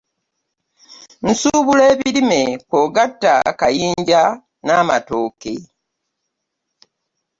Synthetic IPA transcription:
n̩suːβuleːβiɾimekoːɡatːa̰kajiːɲɟa | naːmato̞ːke̞

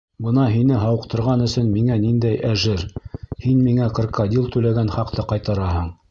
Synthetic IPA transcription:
bɤ̆nɑɦinɘɦɑwɤ̆qt̪ɤ̆ɾʁɑnɵ̆sɵnmiŋænind̪æjæʒɘɾhinmiŋæqɤ̆ɾkʰɑd̪ilˠt̪ʉlæɡænχɑqt̪ɤqɑjt̪ɑɾɑɦɤɴ

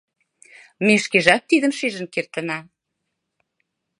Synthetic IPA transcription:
meʃkeʒɑk̚t̪iðə̆mʃeʒə̆nkert̪ə̆nɑ

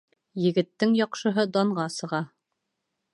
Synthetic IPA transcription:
jɘ̆ɡɘ̆t̪ːɘŋjɑqʃɤ̆ɦɤd̪ɑɴʁɑsɤ̆ʁɑ

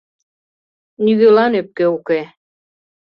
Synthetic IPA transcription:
nyɣølɑnøp̚keuke

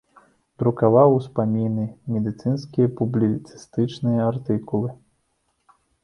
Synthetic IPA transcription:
d̪ɾukavawspamʲinɨmʲɛd̪ɨt̪sɨnskʲijɐpublʲit̪sɨ̥st̪ɨt͡ʂnɨjɐart̪ɨkulˠɨ

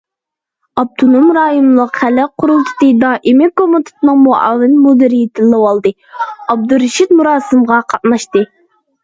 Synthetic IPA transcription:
ɑp̚t̪ʰonomɾɑːjonɨlˠəqχælːɛqʰʊɾulˠt̪ʰɨ̥t̪ɨd̪ɑːʔɪmɪkomut̪ʰɨ̥t̪ɨnɨŋmuɑ̰wːɪnmod̪ɨɾijit̪ʰɪlːɨwɑlˠd̪ɨ | ɑb̚d̪uɾɪʃit̪muɾɑːsɨmʁɑqʰɑt̪̚nɑʃt̪ɨ

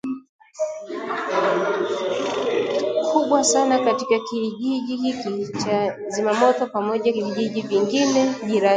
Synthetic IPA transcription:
kʰuɓwasanakatikakiʄiʄihikit͡ʃazimamɔtɔpamɔʄakiviʄiʄiviŋɡinɛʄiɾa

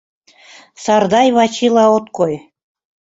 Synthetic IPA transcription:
sɑrd̪ɑjβɑt͡ɕilˠɑot̪koj

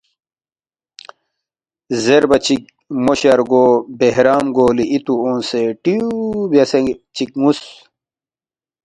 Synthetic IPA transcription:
zeɾbɐt͡ɕik̚ | moɕɐɾɡoːbeɦɾaːmɡoːliʔit̪uoːnseʈiubɐset͡ɕik̚ŋus

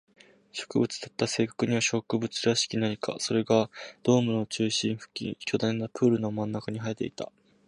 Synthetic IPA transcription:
ɕo̞̥kɯ̟bɯ̟t͡sɨ̥d̪at̪ːase̞ːkḁkɯ̟ɲ̟iβaɕo̞kɯ̟bɯ̟t͡sɨɾaɕi̥kʲinaɲika̰so̞ɾe̞ɡad̪̥o̞ːmɯ̟no̞t͡ɕɨːɕĩɰ̃ɸɯ̟̥kʲḭkʲo̞d̪ãnːapʰɯ̟ːɾɯ̟no̞mãnːakaɲ̟iɦait̪e̞̰it̪a̰

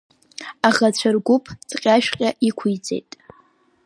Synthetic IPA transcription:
aʁat͡ɕʷʰarɡʷʊpʰt͡sʼqʲʼaʃᶣqʲʼaikʷʰʊjd͡zḛjtʼ

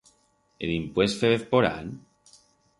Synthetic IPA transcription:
ḛlimpwest̪feβeθpoɾa̰n

